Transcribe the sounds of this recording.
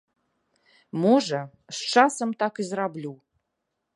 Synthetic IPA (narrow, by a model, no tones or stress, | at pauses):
moʐɐ | sʈ͡ʂasəmt̪akizrablʲu